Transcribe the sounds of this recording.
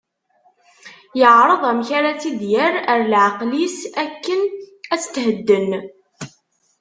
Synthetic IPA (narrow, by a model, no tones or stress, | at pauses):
jəʕɾˤəðˤæmçaɾat͡sid̪jəɾəɾlʕɑqlisækːənæt͡sːə̥t̪ːhəd̪ːən